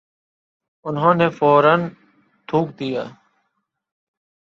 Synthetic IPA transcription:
ʊnɦõːneːfoːɾən | t̪ʰuːk̚d̪ijaː

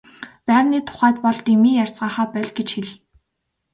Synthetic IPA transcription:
pæːɾniːt̪ʰʊ̥χæːt̪̚pɔɮt̪imiːjar̥ʲt͡sɢaːχaːpœɮʲɡet͡ɕxeɮ

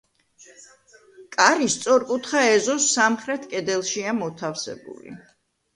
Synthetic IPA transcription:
kʼaɾist̪sʼɔɾkʼut̪ʰχaɛzɔsːamχɾɛt̪ʰkʼɛd̪ɛlˠʃiamɔt̪ʰafsɛ̰bṵlḭ

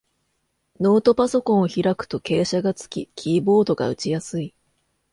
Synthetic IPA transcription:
no̞ːt̪o̞paso̞kõ̞ɰ̃oçiɾakɯ̟̥t̪o̞ke̞ːɕaɡat͡sɨ̥kʲikʲʰiːbo̞ːd̪o̞ɡa̰ɯ̟t͡ɕijasɨi

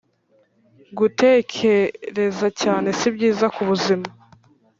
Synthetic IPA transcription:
ɡute̞ːkʰe̞ɾe̞zacaːne̞sibɟiːzakuβuzima

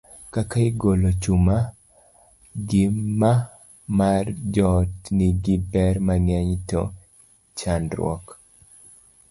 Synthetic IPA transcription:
kakaɪɡolot͡ʃuma | ɡɪmːa | mard͡ʒɔtniɡɪbɛɾmaŋɛɲtɔ̰ | t͡ʃanɾwɔ̰k

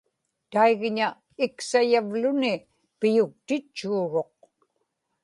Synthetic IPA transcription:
t̪aiɣɲa | ɪksajavlʊnɪ | pɪjʊk̚t̪ɪt͡ʃːuːɻo̞q̚

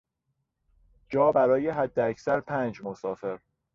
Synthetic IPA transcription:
d͡ʒɒːbæɾɒːjeɦæd̪ːeæcʰsæɾpʰæːnd͡ʒmosɒːfe̞ɾ

